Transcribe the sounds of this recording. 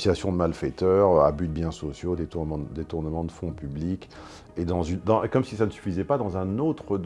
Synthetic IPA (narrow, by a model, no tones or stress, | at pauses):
sijasjɔ̃d̪əmalfɛt̪œʁøa̰byd̪̚bjɛ̃sɔsjod̪et̪ũd̪et̪uʁnəmɑ̃d̪əfɔ̃pyblik | ed̪ɑ̃zynd̪ɑ̃kɔmsisanəsy̥fizɛpad̪ɑ̃zɛ̃not̪χəd̪